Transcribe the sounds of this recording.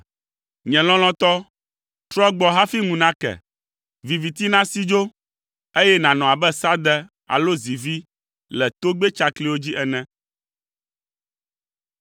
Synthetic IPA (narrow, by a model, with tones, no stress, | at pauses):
ɲɛ̃˨l̃ɔ̃˦l̃ɔ̃˦t̪ɔ˦ | t̪ɾɔ˦ɡ͡bɔ˨ɦa˦fi˦ŋũ˨nã˦kɛ̰˨ | vi˨vi˨t̪i˦nã˦si˦d͡ʒo˦ | e˦jɛ˦nã˨nɔ̃˨a˨bɛ˦sa˦d̪ɛ˦ | a̰˨lo˦zi˨vi˦ | lɛ˨t̪o˦ɡ͡bɛ˦t͡ʃa˦kli˨˦wo˦d͡ʑi˦ʔɛ˨nɛ̃˦